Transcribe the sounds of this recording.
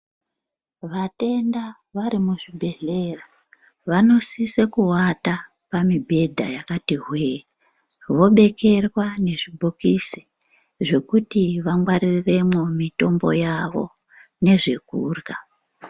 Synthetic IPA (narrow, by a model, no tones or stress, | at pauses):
ʋate̞nda | ʋaɾimuʐibʱe̞ɮera | ʋano̞sisekuwata | pamibʱe̞dʱa̰jakatiɦwe | ʋo̞ɓe̞ke̞rwane̞ʐibʱokisi̥ | ʐe̞kutiʋaŋɡwaɾirre̞mo̞mito̞mbo̞̰jaʋo̞̰ | ne̞ʐe̞kuːrɡa